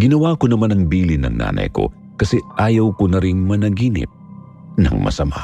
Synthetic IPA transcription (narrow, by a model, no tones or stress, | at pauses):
ɡɪnɐwaːkonɐmanɐŋbiːlɪnɐ̰ŋna̰ːnɐ̰jko̞̰ | kɐsɛʔaːjɐwkonɐɾiŋmɐnɐɡiːnɪ̰p̚ | nɐ̰ŋmɐ̰sɐma̰